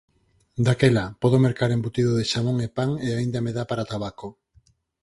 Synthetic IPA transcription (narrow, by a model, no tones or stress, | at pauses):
d̪akelapɔðomeɾkaɾembut̪iðoðeʃamoŋepaŋeaĩnd̪ameðapaɾat̪aβako